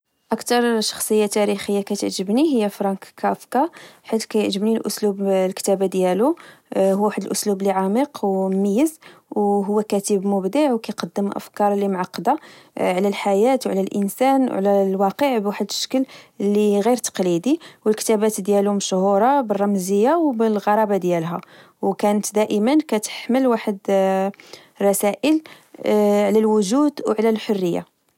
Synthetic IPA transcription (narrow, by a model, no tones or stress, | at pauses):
ʔəkt̪ɑɾˤʃɑ̥xsˤəjːat̪æɾixəjːakæt̪əʕʒəbniɦəjːæfɾˤɑkkːæfkɑħit̪kæjəʕʒəbnilʔʊ̰slublkt̪æbad̪jæluɦːwaħəd̪əlʔʊslubliʕɑmiqwməjːəzwɦʊwːækæt̪əbmʊbd̪iʕwkæjqɑd̪ːəmʔə̰fkɑɾˤlimʕɑqːd̪aʕlælħajæt̪wʕlælʔənsænʕlælwɑqəʕbwaħəd̪ʃkəllːiɣiɾt̪ɑ̥qlid̪iwəlkə̥t̪æbæt̪d̪jælʊmʃhuɾˤɑbərˤːɑmzəjːawbəlɣɑɾˤɑbad̪jælɦæ̰ | wkænət̪d̪æʔəmənkæt̪ə̥ħməlwaħəd̪ | rˤɑsæʔəl | ʕlælwʊʒud̪wʕlælħʊrːəjːa̰